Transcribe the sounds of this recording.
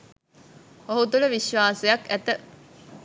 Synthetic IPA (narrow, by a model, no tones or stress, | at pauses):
oɦut̪uləʋiʃʋaːsujɐkæt̪ə